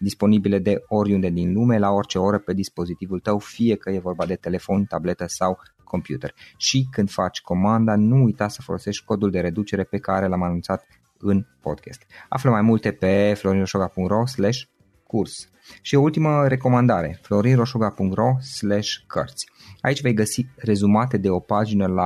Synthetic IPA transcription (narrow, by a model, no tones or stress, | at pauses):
d̪ispo̞nibile̞d̪e̞o̞ɾʲund̪e̞d̪inlume̞lao̞rt͡ʃe̞o̞ɾəpe̞d̪ispo̞zit̪ivult̪əwfije̞kəje̞vo̞rbad̪e̞t̪e̞le̞fo̞nt̪able̞t̪əsaw | kʰo̞mpjut̪ḛrʲʃikɨnd̪fat͡ʃʲko̞mand̪anuːjt̪asəfo̞lo̞se̞ʃt̪ʲko̞d̪uld̪e̞ɾe̞d̪ut͡ʃe̞ɾe̞pe̞kaɾe̞lamanunt̪sat̪ | ɨnpo̰d̪kʲḛst̪a̰fləmajmult̪e̞pe̞flo̞ɾinroʃoɡapuŋkt̪ro̞sleʃʲ | kʰurs | ʃio̞ult̪iməɾe̞ko̞mand̪aɾe̞̰flo̞ɾinro̞ʃoɡapuŋkt̪ro̞sleʃʲkʰə̰rt̪sʲ | a̰it͡ʃʲve̞jɡəsire̞zumat̪e̞d̪e̞o̞pad͡ʒinəla